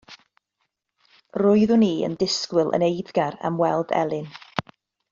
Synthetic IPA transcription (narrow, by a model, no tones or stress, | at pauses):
rʊɨðʊniːə̰ndɪskwɪlˠʔə̰nejðɡaɾa̰mwɛlˠdɛ̰lˠɪn